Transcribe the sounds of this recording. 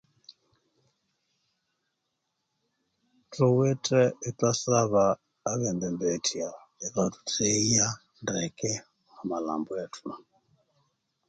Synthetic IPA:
tʰuwɛtʼɛitasaβaː | βɛnd̪ɛmbɛtʰia | ɛkatu̥tʰeija | ndɛkɛ | amala̰mbɔatʰuna

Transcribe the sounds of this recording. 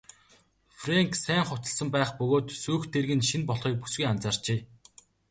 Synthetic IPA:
freŋksæːŋχʊt̪ə̆ɮsə̆mpæːχpɵɣoːt̪suːxt̪ʰerɣɘ̆nʃinpɔɮχiːk̚pusɡujant͡saːr̥t͡ɕeː

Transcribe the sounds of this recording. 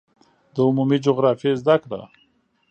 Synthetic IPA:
d̪əʊmumid͡ʒʊɣɾɑfjezd̪akɽa̰

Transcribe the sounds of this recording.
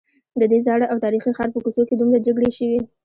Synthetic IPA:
d̪əd̪ezɑɽaʔawt̪ɑɾixixɑɾpəkusoked̪umɾad͡ʒaɡɽeʃəwi

